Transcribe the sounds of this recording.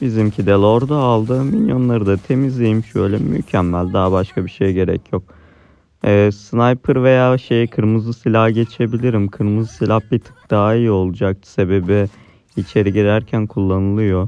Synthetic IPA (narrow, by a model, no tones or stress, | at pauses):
bizimcʰid̪elʲˠo̞ɾd̪aːlˠd̪ɯmilʲjo̞nlˠaɾɯd̪at̪ʰe̞mizlʲijimʃøːjlʲɛmy̰cʰɛmːælʲd̪abaʃkʰabiʃe̞jɟe̞ɾɛ̰cʰjok̚ | ɛːsɯnajpʰɯɾve̞jaːʃejkʰɯɾmɯzɯsilʲahɟe̞t͡ʃʰe̞bilʲiɾimkʰɯɾmɯzɯsilʲahbit̪ʰɯ̥k̚d̪̥aːiːo̞lˠud͡ʒak̚t̪se̞be̞bi | it͡ʃʰe̞ɾiɟiɾæɾcʰænkʰulˠːanɯlˠɯjo̞